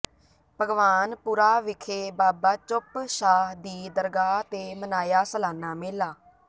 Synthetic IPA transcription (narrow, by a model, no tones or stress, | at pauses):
pəɡʋaːnpuːɾaːʋɪkʰeːbaːbaːt͡ʃʊpʃaːɦd̪iːd̪əɾɡaːt̪eːmənaːjaːsəlaːnaːmeːlaː